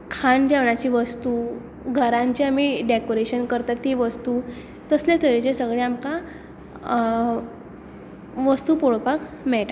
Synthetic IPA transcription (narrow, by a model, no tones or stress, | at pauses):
kʰaɳd͡ʑaʋɳat͡ɕiːʋəst̪u | ɡʱəɾãɲt͡ɕiamiɖekoɾeɕənkəɾt̪at̪ːiʋəst̪uː | t̪əsljat̪ʰəet͡ɕesəɡɭeamka | ʋəst̪uːpoɽpakmɛɭʈa